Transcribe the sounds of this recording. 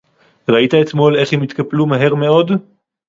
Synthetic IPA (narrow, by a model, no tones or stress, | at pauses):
ʁait̪aet̪mo̞le̞χhemit̪kaplumaɦe̞ʁme̞o̞d